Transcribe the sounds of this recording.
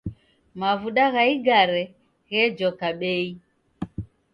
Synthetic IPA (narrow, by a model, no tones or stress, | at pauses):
mavuɗaɣaiɡaɾɛ | ɣɛd͡ʒɔkaɓɛi